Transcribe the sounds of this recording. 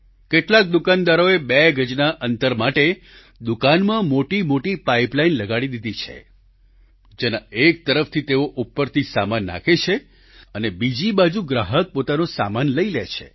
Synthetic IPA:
keʈlak̚d̪ukand̪aɾoebeɡʱəd͡ʒnaʔənt̪əɾmaʈe | d̪ukanmãmoʈimoʈipaiplainləɡaɽid̪id̪it͡ʃʰḛ | d͡ʒenaek̚t̪əɾəft̪ʰit̪eoʔupːəɾt̪ʰisamanːa̰kʰet͡ʃʰe | ənebid͡ʒibad͡ʒuɡɾaɦək̚pot̪anosa̰manləilet͡ʃʰḛ

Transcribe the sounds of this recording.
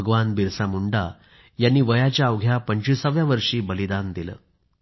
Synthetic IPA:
əɡʋanbiɾsamuɳɖa | janːiːʋəjat͡ɕjaəʋɡʱjapəɲt͡ɕisəʋjaʋəɾʂiːbəlid̪and̪ilə̰ː

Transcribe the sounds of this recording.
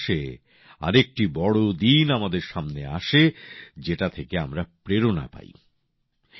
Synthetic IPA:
ʃe | a̰ɾek̚ʈibɔɽod̪inamad̪eɾʃamnea̰ʃed͡ʑeʈat̪ʰekeamɾapɾeɾona̰pa̰j

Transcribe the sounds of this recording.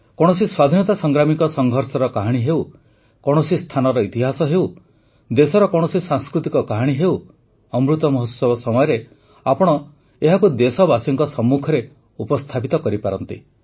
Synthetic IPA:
kɔɽ̃ɔsiswad̪ʱinɔt̪asɔŋɡɾamikɔsɔŋɡʱɔɾsɔɾɔkaɦaɽ̃iɦew | kɔɽ̃ɔsist̪ʰanɔɾɔit̪iɦasɔɦew | d̪esɔɾɔkɔɽ̃ɔsisãŋskɾut̪ikɔkaɦaɽ̃iɦew | ɔmɾut̪ɔmɔɦɔt̪sɔbʱɔsɔmɔjɔɾe | apɔɽ̃ɔ | eɦakud̪esɔbasiŋkɔsɔmːukʰɔɾe | upɔst̪ʰapit̪ɔkɔɾipaɾɔnt̪ḭ

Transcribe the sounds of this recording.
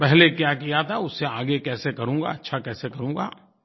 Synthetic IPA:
pɛɦlekjaːk̬ijat̪ʰaʊsːeaːɡekɛːsekɐɾũːŋɡa̰ːɐtːʃʰakɛːsekɐɾũːŋ̆ɡa̰ː

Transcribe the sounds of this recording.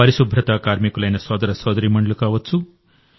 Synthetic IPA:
ɐɾisubʱɾɐt̪aːkaːɾmikulɐjnɐsʋɐːd̪ɐɾɐsɐːd̪ɐɾimɐɳɖlukaːʋɐt͡sːu

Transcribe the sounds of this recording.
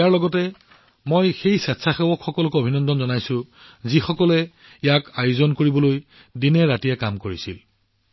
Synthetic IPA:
jaɹlɔɡɔtɛ | mojxejsatsʰaxɛwɔkxɔkɔlɔkuobʱinɔndɔnzɔnajsʊ̃ | zixɔkɔlɛ | ijakajuzɔnkoɹibɔloj | dinɛɹatiɛkamkoɹisḭl

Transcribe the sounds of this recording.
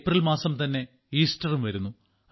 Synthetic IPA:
prɐlmaːsɐmt̪ɐnːe̞ | iːstɐrumʋɐɾunːu

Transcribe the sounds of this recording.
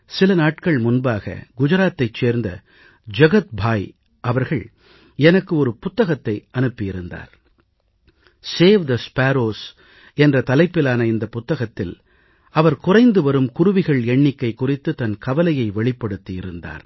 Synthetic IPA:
sɪlɐnaːʈkɐɭmʊnbaːɣɐ̰ɡʊd͡ʒɐɾaːt̪ːɐɪt͡ʃːeːɾnd̪ɐ̰ | d͡ʒɐɣɐt̪̚bʱaːj | ʔɐʋɐɾɣɐɭ | ɛnɐkːɯɔɾɯpʊt̪ːɐɣɐt̪ːɐɪʔɐnɯpːɪɪɾɯnd̪a̰ːɾ | seːʋd̪ɐspaːɾoːs | ɛndrɐt̪ɐlɐɪpːɪlaːnɐɪnd̪ɐpʊt̪ːɐɣɐt̪ːɪl | ɐʋɐɾkʊrɐɪnd̪ɯʋɐɾɯmkʊrʊʋɪɣɐɭɛɳːɪkːɐɪkːʊrɪt̪ːɯt̪ɐnkɐʋɐlɐjɐɪʋɛɭɪpːɐɽɯt̪ːijɪɾɯnd̪a̰ːɾ

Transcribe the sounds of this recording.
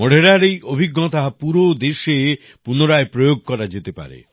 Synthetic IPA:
mɔɽ̤ʱeɾaɾejʔobʱiɡːɔt̪aɦapuɾod̪eʃe | punoɾaepɾojoɡ̚ʱkɔɾad͡ʒet̪epa̰ɾḛ

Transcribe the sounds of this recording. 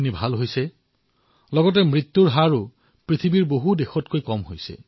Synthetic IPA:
nibʱalɦojsɛ | lɔɡɔt̬ɛmɹit̪ːuɹɦaɹu | pɹit̪ʰibiɹboɦudexɔtkojkɔmɦojsɛ̰

